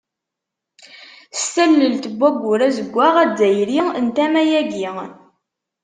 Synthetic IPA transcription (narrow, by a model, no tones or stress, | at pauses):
stælːəlt̪əɡʷːæɡʷːʊɾæzəɡʷːaʁæd͡zːæjɾiənt̪æmæjæɡi